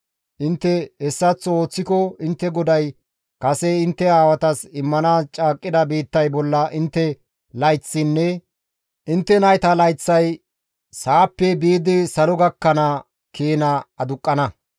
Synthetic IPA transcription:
ʔɪnt̪ːɛhɛsːɐt͡sːoːt͡sːɪkɔɪnt̪ːɛɡɔd̪ɐj | kɐsɛɪnt̪ːɛaːwɐt̪ɐsɪmːɐnaːst͡ʃʼaːkʼːɪd̪ɐbiːt̪ːɐjbɔlːɐʔɪnt̪ːɛ | lɐjt͡sːɪnːɛ | ʔɪnt̪ːɛnɐjt̪ɐlɐjt͡sːɐj | saːpːɛbiːd̪ɪsɐlɔɡɐkːɐnɐ | kʰiːnɐɐd̪ʊkʼːɐnɐ

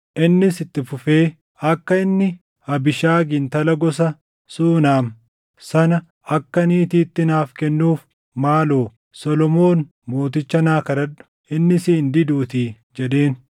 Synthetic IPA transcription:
ʔɪnːɪsɪt̪ːɪfʊfe̞ː | ɐkːɐɪnːɪ | hɐbɪʃaːɡɪnt̪ɐlɐɡɔs̬ɐ | suːnaːm | sɐnɐ | ɐkːɐniːt̪iːt̪ːɪnaːfkɛnːuːf | maːloː | sɔlɔmo̞ːn | mo̞ːt̪ɪt͡ʃːɐnaːkɐd̪ɐᶑʊ̥ | ɪnːɪsiːnd̪ɪd̪uːt̪iː | d͡ʒɛᶑe̞ːn

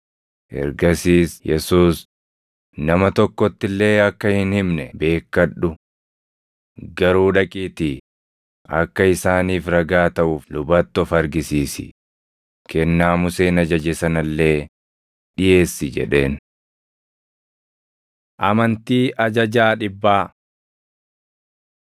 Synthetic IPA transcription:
ʔɛ̰ɾɡɐsiːsjɛsuːs | nɐmɐt̪ɔkːɔt̪ːɪlːe̞ːɐkːɐhɪnhɪmnɛbe̞ːkːɐᶑʊ | ɡɐɾuːᶑɐkʼiːt̪i | ʔɐkːɐɪsaːniːfɾɐɡaːt̪ɐʔʊːflʊbɐt̪ːɔfɐɾɡɪsiːsɪ̰ | kɛnːaːmʊseːnɐd͡ʒɐd͡ʒɛsɐnɐlːe̞ː | ᶑɪje̞ːsːɪd͡ʒɛ̰ᶑe̞ːn | ʔɐmɐnt̪iːʔɐd͡ʒɐd͡ʒaːᶑɪbːaː

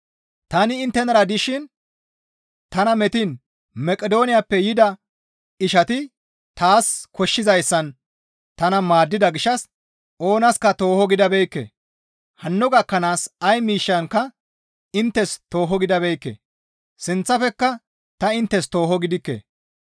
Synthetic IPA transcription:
t̪ɐnɪːnt̪ːɛnɐɾɐd̪ɪʃɪn | t̪ɐnɐmɛt̪ɪn | mɛkʼɛd̪o̞ːnɪjapːɛjɪd̪ɐ | ɪʃɐt̪ɪ | t̪aːskʰɔʃːɪzɐjsːɐn | t̪ɐnɐmaːd̪ːɪd̪ɐɡɪʃːɐs | o̞ːnɐskɐt̪o̞ːhɔɡɪd̪ɐbɛjkːḛ | hɐnːɔɡɐkːɐnaːsɐjmiːʃːɐŋkɐ | ɪnt̪ːɛst̪o̞ːɦɔɡɪd̪ɐbɛjkːḛ | sɪnt͡sːɐfɛkːɐ | t̪ɐɪnt̪ːɛst̪o̞ːɦɔɡɪd̪ɪkːḛː

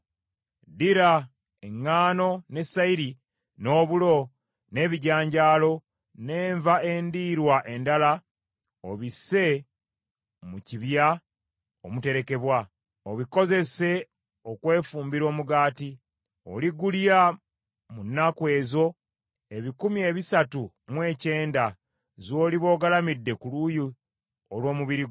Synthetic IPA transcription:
diɾa | e̞ŋːaːno̞ne̞saiɾi | no̞ːβulo̞ | ne̞βiɟaːɲɟaːlo̞ | ne̞ːɱvaendiːɾwaʔe̞ndala | oβise̞ | muciβja | o̰mute̞ɾe̞ke̞βwa | oβiko̞ze̞se̞ | o̞kwe̞ːfuːmbiɾo̞ːmuɡaːti | o̞̰liɡulja | munːakwe̞ːzo̞ | e̞βikumie̞ːβisatu | mwe̞ːce̞ːnda | zo̞ːliβo̞ːɡalamidːe̞kuluji | olwo̞ːmuβiɾiɡ

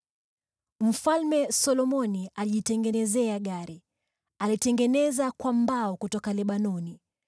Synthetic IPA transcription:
m̩falmɛsɔlɔmɔniʔaliʄitɛŋɡɛnɛzɛaɠaɾi | alitɛŋɡɛnɛzakwambaɔkutɔkalɛɓanɔni

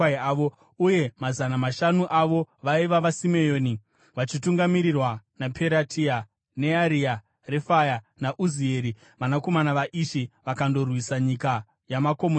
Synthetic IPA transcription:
o | uje̞mazanamaʃanuʔaʋo̞ʋaiʋaʋasime̞joːni | ʋat͡ʃituŋɡamiɾirwanapʰe̞ɾatʰia | ne̞aɾia | re̞faja | naʔuzie̞ɾi | ʋanako̞manaʋaʔiʃiʋakando̞rwisaɲika | jamako̞mo

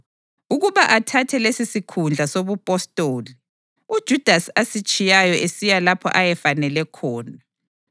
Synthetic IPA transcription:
uɣuβaʔatʰatʰɛlesisikʰund͡ɮʱasoβupʼɔstʼoːli | ud̥ʒ̥ʱud̥ʱasasit͡ʃʼijajɔʔesijalapʰɔ̰ʔajɛfanɛlɛkʰɔːna

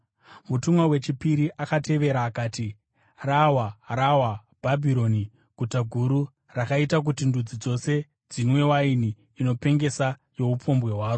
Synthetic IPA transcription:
mutumwawe̞t͡ʃipiɾiʔakate̞ʋe̞ɾaːkaːti | rawarawa | b̥ʱabʱiɾo̞ni | ɡ̥ʱutaɡʱuɾu | rakaitak̬utindud͡zid͡zo̞se̞ | d͡zinwe̞wainiː | no̞pe̞ŋɡe̞sa | jo̞upo̞mbwe̞ɦwaːro

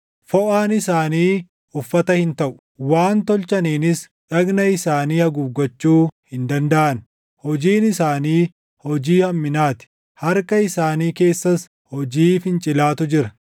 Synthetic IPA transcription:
fɔʔaːnɪsaːniː | ʊfːɐt̪ɐhɪnt̪ɐʔʊ̥waːnt̪ɔlt͡ʃɐniːnɪs | ᶑɐɡnɐɪsaːniːhɐɡʊːɡɔt͡ʃːuːhɪnd̪ɐnd̪ɐʔɐn | hɔd͡ʒiːnɪsaːniː | hɔd͡ʒiːhɐmːɪnaːt̪ɪ̥ | hɐɾkɐɪsaːniːke̞ːsːɐs | hɔd͡ʒiːfɪnt͡ʃʼɪlaːt̪ʊd͡ʒɪɾɐ

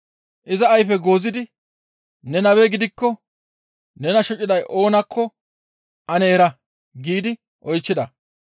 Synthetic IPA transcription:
ʔɪzɐːjfɛɡo̞ːzɪd̪ɪ | nɛnɐweɡɪd̪ɪkːɔ | nɛnɐʃɔt͡ʃʼːɪd̪ɐjʔo̞ːnɐkʰːɔ | ʔɐnɛːɾɐ | ɡiːd̪ɪ | ʔɔjt͡ʃːɪd̪ɐ

